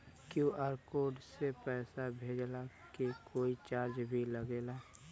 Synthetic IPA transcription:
kjũʔaːɾkoːɖsepɛːsabʱeːd͡ʒla | kekʰoːit͡ʃaːɾd͡ʒbʱiləɡeːla

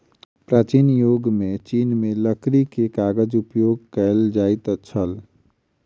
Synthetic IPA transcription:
pɾat͡ʃinjoɡmet͡ʃinmeləkɾikekaɡəd͡ʒupjoɡ̚kəɪld͡ʒaɪt̪t͡ʃʰəl

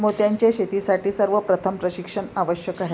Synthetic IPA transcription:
mot̪jaɲt͡ɕjaɕet̪isaʈiːsəɾʋəpɾət̪ʰəmpɾəɕikʂəɳaʋəɕjəkaɦe

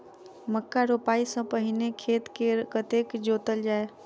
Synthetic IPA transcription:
məkːaɾoːpaːisə̃pəɦɪnekʰeːt̪kekət̪ekd͡ʒoːt̪əld͡ʒaːe

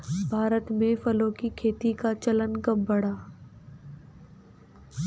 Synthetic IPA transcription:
bʱaːɾət̪mẽfɐlõːkikʰeːt̪ikat͡ʃələnkəmbɐɽaː

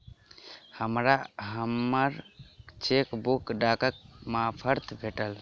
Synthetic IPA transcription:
həmɾaɦəməɾt͡ʃekbukɖakək̚mãpʰəɾt̪ʰbʱeʈəl

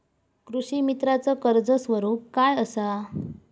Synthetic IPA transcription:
kɾuɕimit̪ɾat͡səkəɾd͡zəsʋəɾup̚kajəsa

